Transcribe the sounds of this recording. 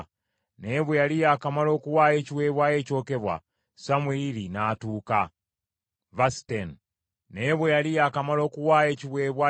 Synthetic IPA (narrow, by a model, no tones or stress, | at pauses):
ne̞βwejalijaːkamalo̞ːkuwaːje̞ːciwe̞ːβwaje̞ːco̞ːke̞βwa̰ | samweilinaːtuːka | vasten | ne̞βwejalijaːkamalo̞ːkuwaːje̞ːciwe̞ːβwa